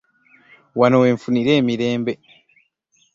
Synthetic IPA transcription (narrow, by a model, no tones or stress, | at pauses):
wanoweːɱfuniɾeːmiɾe̞ːmbe